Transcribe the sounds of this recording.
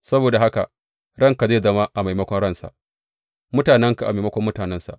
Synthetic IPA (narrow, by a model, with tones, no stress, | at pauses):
sɐ˦boː˨da˨ɦa˦ka̰˨ | ɽɐ˦˨ŋka˨ze˦˨zɐ˦ma˦ʔa˨ma˨jmɐ˦kʷɔ˦ɽɐ˦˨nsa̰˨ʔ | mʊ˦taː˨nɛ˦ŋka˨a̰˨ma˨mɐ˦kʷɔ˦mːʊ˦taː˨nɛ˦nsa̰˨ʔ